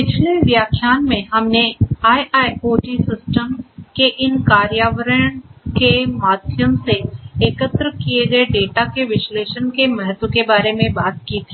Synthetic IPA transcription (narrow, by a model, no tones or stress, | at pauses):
pɪt͡ʃʰleʋjaːkʰjaːnmẽɦɐmneaːjʔaːjkoːʈisɪsʈəmkeʔɪnkaːɾjaːʋəɾəɳ̃kemaːd̪ʱjəmseeːkət̪ɾkieɡɐeɖeːʈakeʋɪʃleːʃənkemɛɦt̪ːokebaːɾemẽbaːt̪kit̪ʰi̥ː